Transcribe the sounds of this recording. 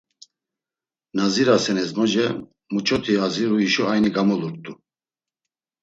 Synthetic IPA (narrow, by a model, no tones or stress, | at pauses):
naziɾasɛnɛzmɔʒɛ | mut͡ʃʰɔt̪ʰiaziɾuiʃɔajniɡamɔluɾt̪ʼu